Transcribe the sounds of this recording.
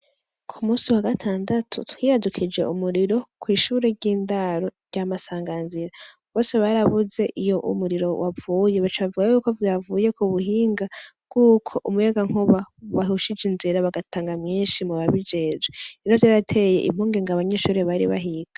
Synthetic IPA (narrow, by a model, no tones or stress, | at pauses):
kʰumuːsiwaɡatʰaːndatʰṵtwiːhadukʰid͡ʒe̞̰umuɾiɾo̞kʰwiːʃuːɾe̞ɾɟiːndaɾo̞ɾjamasaːŋɡanziɾa | βo̞ːse̞βaɾaβuze̞ʔijo̞ʔṵmuɾiɾo̞wʔavuːje̞βat͡ʃaβavuɡajuːko̞vjavuːje̞kuβuhiːŋɡabɡ̥uːkʰo̞ʔumujaɡaŋ̥uβawaɦuʃid͡ʒinziɾaβaɡataːŋɡamɲiːnʃimuβaβid͡ʒe̞ːd͡ʒeiɾovjaːɾatʰe̞je̞̰ʔḭm̥uːŋɡeŋɡaβaɲeʃuːɾeβaɾḭβa̰ɦiɡ̥a